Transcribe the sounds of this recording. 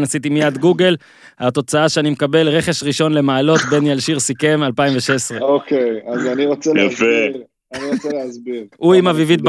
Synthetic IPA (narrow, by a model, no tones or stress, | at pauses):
nasit̪imijad̪ɡuɡe̞l | at̪o̞t͡saaʃeanimekabe̞lʁe̞χe̞ʃʁiʃo̞nle̞maːlo̞t̪be̞njalʃiʁsike̞malpaimveʃesʁeokejazaniʁot͡sejafe | aniʁot͡seleazbiʁʔuimavivit̪̚b